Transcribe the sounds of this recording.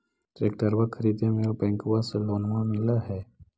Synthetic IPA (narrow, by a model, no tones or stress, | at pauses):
ʈɾeːk̚ʈəɾwakʰəɾiːd̪ẽmẽbɛ̃ːŋkʊwaselɔːnmamɪlaɦɛː